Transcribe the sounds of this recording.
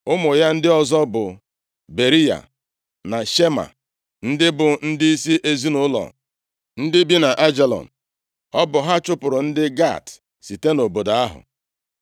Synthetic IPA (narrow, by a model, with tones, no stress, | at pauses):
ʊ˦mʊ˨ja˦n̩˦dɪ˦ɔ˨zɔ˦bʊ˨ | be˨ɾi˦ja̰˨ | na˨ʃe˦ma̰˨ | n̩˦dɪ˦bʊ˨n̩˦dɪ˦i˦si˦ʔe˨zi˦nʊ˦lɔ̰˨ | n̩˦dɪ˦bi˦na˨ʔa˦d͡ʒe˨lɔ̰˨n̩˨ | ɔ˦bʊ˨ɦa˦t͡ʃʊ˦pʊ˨ɾʊ˨n̩˦dɪ˦ɡa̰˦˨t | si˨te˦no˨bo˨da˨a˦ɦʊ̰˨